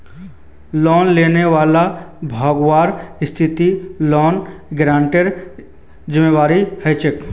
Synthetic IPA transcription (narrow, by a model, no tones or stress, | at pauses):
lɔːnleːneʋaːlabʱɔːɡwaːɾst̪ʰɪt̪ilɔːnɡɾãːɳʈeɾ | d͡ʒɪmeʋaːɾihəɪt͡ʃɪk